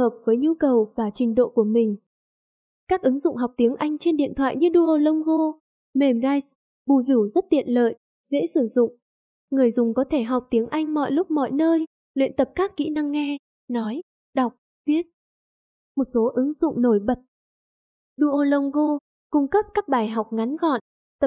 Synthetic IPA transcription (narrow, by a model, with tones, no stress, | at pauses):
həː˨˩p̚vəː˨˦jɲu˧kə˨˩wvaː˨˩t͡ɕï˨˩ŋ̟ɗo̰˧˨ku˧˩əmï˨˩ŋ̟ | kaː˦˥k̚ʔɨ˨˦ŋzʊ̰˧˨ŋ͡mɦa˨˩wk͡p̚t̪i˨˦əŋʔa˧jŋ̟t͡ɕe˧nɗḭ˧˨ənt̪ʰwa̰ː˧˨jɲɨ˧ɗu˧ʔo˧lə˧wŋ͡mɣo˧ | me˨˩mzaː˧js | ɓu˨˩zɨ˧˩zə˦˥t̚t̪ḭ˧˨ənlə̰ː˧˨j | z̥ḛ˧˥sɨ˧˩zʊ̰˧˨ŋ͡m | ŋɨ˨˩əjzʊ˨˩ŋ͡mkɔ˨˦t̪ʰe˧˩ɦa˨˩wk͡p̚t̪i˨˦əŋʔa˧jŋ̟mɔ̰˧˨jlʊ˦˥k͡p̚mɔ̰˧˨jnəː˧j | lwḭ˧˨ənt̪ə˨˩p̚kaː˦˥kːḭ˧˥na˧ŋːɛ˧ | nɔ˨˦j | ɗa˨˩wk͡p̚ | vi˦˥ət̚ | mo˨˩t̚so˨˦ʔɨ˨˦ŋzʊ̰˧˨ŋ͡mno˧˩jɓə˨˩t̚ | ɗu˧ʔo˧lə˧wŋ͡mɣo˧ | kʊ˧ŋ͡mkə˦˥p̚kaː˦˥k̚ɓaː˧˩jɦa˨˩wk͡p̚ŋa˨˦nɣɔ̰˧˨n | t̪ə˨˩p̚